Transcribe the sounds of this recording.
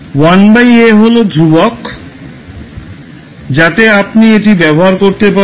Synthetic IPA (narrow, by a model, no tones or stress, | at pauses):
wanbajeɦolod̪ʱɾubɔk | d͡ʑat̪eapnieʈibɛboɦaɾkoɾt̪epa